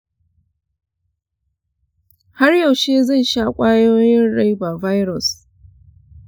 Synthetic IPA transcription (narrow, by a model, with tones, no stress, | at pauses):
ha˦rjɐ˨wʃeː˦zɐ˦˨nʃaː˦kʷʼaː˦joː˦jɪ˦nɽa˦jba˨va˦jɾɔ˨s